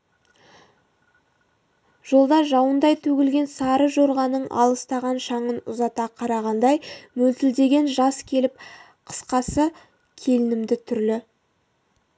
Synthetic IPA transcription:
ʒ̥olˠd̪ɑʒɑwənd̪ɑjt̪ʰɵɡʲɪlɡʲe̞nsɑɾəʒo̞ɾʁɑnəɴʔɑ̰lˠəst̪ɑʁɑnʃɑɴənʊzɑt̪ɑqʰɑɾɑʁɑnd̪ɑjmɵlt̪ɪld̪e̞ɡʲe̞nʒɑskʲʰe̞lɪp̚ | qʰə̥sqɑsə | kʲʰe̞lɪnɪmd̪ɪt̪ʰʏɾlɪ

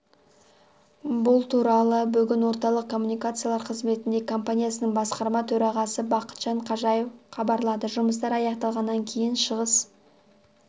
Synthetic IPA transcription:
bʊlˠt̪ʰuɾɑlˠəbʏɡʲɪnwo̞ɾt̪ɑlˠəq̚kʰo̞mːunijkat̪sɨjalˠɑɾqʰəzme̞t̪ɪnd̪e̞kʰo̞mpanʲijasənəɴbɑsqɑɾmɑt̪ʰɵɾɑʁɑsəbɑqə̥t̪ʒ̥ɑɴqʰɑʒɑjewqʰɑbɑɾlˠɑd̪əʒʊməs̬t̪ɑɾɑjɑqt̪ɑlˠʁɑnːɑŋkʲʰe̞jɪnʃəʁəs

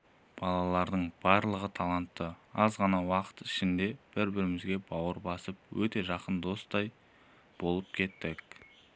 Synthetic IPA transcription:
b̥ɑlˠɑlˠɑɾd̪əɴb̥ɑɾlˠəʁət̪ʰɑlˠɑnt̪ːəɑzʁɑnɑwɑqə̥t̪ɪ̥ʃɪnd̪e̞b̥ɪɾbɪɾɪmɪzɡʲe̞bɑwəɾbɑsəp̚wɵt̪e̞ʒɑqənd̪o̞st̪ɑj | b̥o̞lˠəp̚kʲʰe̞t̪ːɪk

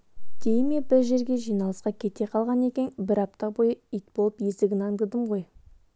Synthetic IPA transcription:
d̪̥ejme̞bɪɾʒe̞ɾɡʲe̞ʒijnɑlˠəsqɑkʲʰe̞t̪e̞qʰɑlˠʁɑne̞kʲe̞nbɪɾɑp̚t̪ɑbo̞jəijt̪̚bo̞lˠəpjesd̪ɪɡʲɪnɑŋd̪əd̪əmʁo̞j

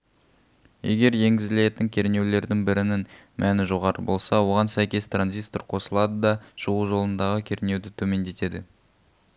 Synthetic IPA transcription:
je̞̰ɡʲe̞ɾje̞ŋɡʲɪzɪle̞t̪ɪŋkʲʰe̞ɾne̞wle̞ɾd̪ɪŋbɪɾɪnɪn | mʔænɪʒoʁɑɾəbo̞lˠsɑwo̞ʁɑnsæjkʲe̞st̪ranzijst̪orqʰo̞səlˠɑd̪əd̪ɑʒ̥uʁuʒo̞lˠənd̪ɑʁəkʲʰe̞ɾɪne̞wd̪ɪt̪ʰɵme̞nd̪e̞t̪e̞d̪ɪ

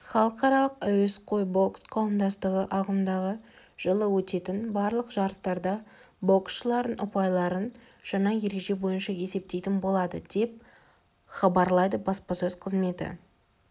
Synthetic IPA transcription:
χɑlˠəqɑɾɑlˠəqæwesqʰo̞jbo̞ksqʰɑwəmd̪ɑst̪əʁəʔɑʁəmd̪ɑʁə | ʒ̥əlˠəwɵt̪e̞t̪ɪnbɑɾlˠəqʒ̥ɑɾəst̪ɑɾd̪ɑ | bo̞ksʃəlˠɑɾd̪ənʔʊpɑjlˠɑɾən | ʒ̥ɑɴɑje̞ɾe̞ɡʒe̞bo̞jənʃɑe̞se̞p̚t̪e̞jt̪ɪnbo̞lˠɑd̪əd̪̥e̞p̚ | χɑbɑɾlˠɑjd̪əbɑspɑsɵz̥qʰəzme̞t̪ɪ̰

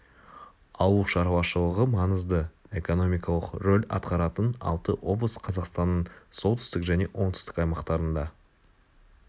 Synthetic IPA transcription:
ɑwuʃɑɾwɑʃəlˠəʁəmɑnəzd̪əe̞ko̞no̞mʲijkɑlˠəqɾo̞lʲɑ̰t̪qʰɑɾɑt̪ənɑ̰lˠt̪əwo̞blˠəsqʰɑzɑqst̪ɑnːəɴso̞t̪ʏ̥st̪ɪkʒæne̞ʔwʔo̞ɴt̪ʰʏ̥st̪ɪ̥kɑjmɑqt̪ɑɾənd̪ɑ

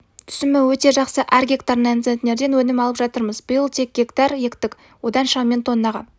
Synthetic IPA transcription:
t̪ʰʏ̥sɪmɪwɵt̪e̞ʒɑqsəʔæɾɡʲe̞kt̪aɾnant̪sent̪ne̞ɾd̪e̞nwɵnɪmɑlˠəpʒɑt̪əɾməzbʊjəlˠt̪ʰe̞k̚ɡʲe̞kt̪ɑɾjekt̪ɪk | wo̞d̪ɑnʃɑmʲe̞nt̪o̞nːɑʁɑ̰

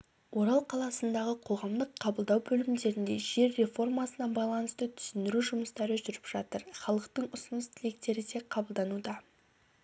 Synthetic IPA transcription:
wo̞ɾɑlˠqʰɑlˠɑsənd̪ɑʁəqʰo̞ʁɑmd̪əqʰːɑbəlˠd̪ɑwbɵlɪmd̪e̞ɾɪnd̪e̞̰ʒe̞ɾːe̞fo̞rmɑsənɑbɑjlˠɑnəst̪ət̪ʰʏ̥sɪnd̪ɪɾuʒʊməst̪ɑɾəʒʏɾɪpʒ̥ɑt̪əɾχɑlˠəqt̪əɴʊsənəst̪ʰɪle̞k̚t̪e̞ɾɪd̪e̞qʰɑbəlˠd̪ɑnud̪ɑ

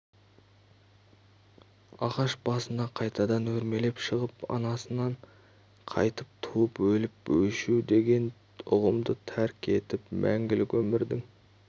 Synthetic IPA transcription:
ɑʁɑʃb̥ɑsənɑqʰɑjt̪ɑd̪ɑnwɵɾme̞le̞pʃəʁəpɑ̰nɑsənɑɴ | qʰɑ̰jt̪əp̚t̪ʰuəpwɵlɪpwɵʃud̪e̞ɡʲe̞n | ʊʁəmd̪ət̪ʰæɾkʲʰe̞t̪ɪpmʔæŋɡʲɪlɪkʲwɵmɪɾd̪ɪŋ

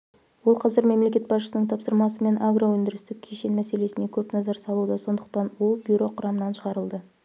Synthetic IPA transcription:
wo̞lˠqʰɑzɪɾme̞mle̞kʲe̞t̪̚bɑsʃə̥sənəɴt̪ʰɑpsəɾmɑsəme̞nʔaɡrowɵnd̪ɪɾɪst̪ɪk̚ʲʰeʃenmæse̞le̞sɪne̞kʲʰɵpnɑzɑɾsɑlˠud̪əso̞nd̪əq̚t̪ɑnwo̞lˠbjuɾo̞qʰʊɾɑmənɑnʃəʁɑɾəlˠd̪ə

